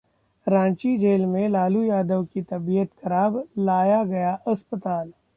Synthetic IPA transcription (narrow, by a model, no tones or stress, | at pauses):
ɾãːt͡ʃid͡ʒeːlmẽlaːlujaːd̪əʋkit̪ɐbijət̪xɐɾaːblaːjaɡɐjaʔɐspət̪aːl